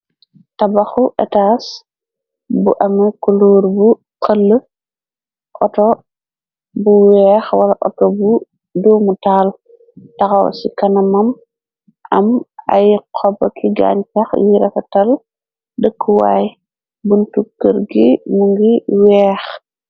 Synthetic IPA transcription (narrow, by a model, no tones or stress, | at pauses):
tɐbɐxuʔɛtaːs | bṵʔɐmɐkuluːɾbu | qəlːə | ʔɔtɔ | buwɛːxwɐlɐʔɔtɔbu | duːmutaːl | tɐxɐw̰sikɐnɐmɐm | ʔɐmɐ̰jqʰɔbɐkʰiɡa̰ːɲt͡ʃɐxjiɾɛfɐtɐl | dəkːuwa̰ːj | buntukːəɾɡimuŋɡiwɛːx